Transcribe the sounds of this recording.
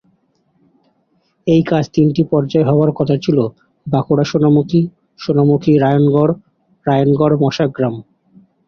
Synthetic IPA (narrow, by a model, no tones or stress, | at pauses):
ejkad͡ʑt̪inʈipɔɾd͡ʑaeɦɔoaɾkɔt̪ʰat͡ɕʰilo | bakoɽaʃonamuki | ʃonamukʰiɾajonɡɔɾː | ajonɡɔɾmɔʃaɡɾam